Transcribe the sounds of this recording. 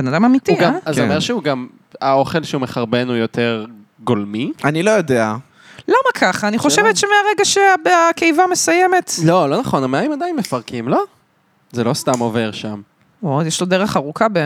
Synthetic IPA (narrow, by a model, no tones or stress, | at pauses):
benadamamituɡamazeomeʁʃeuɡam | ao̞χe̞lʃeumeχaʁbe̞nujo̞teʁ | ɡolmiʔanilo̞jo̞dea | lamakʰaχaːniχo̞ʃevetʃemeaʁeɡaʃeabakejvamesajeme̞t̪lo̞lo̞naχo̞nameaimadajinmefaʁkimlo̞ | zelo̞st̪amo̞ve̞ʁʃam | ojeʃlodeʁeχaʁukʰabe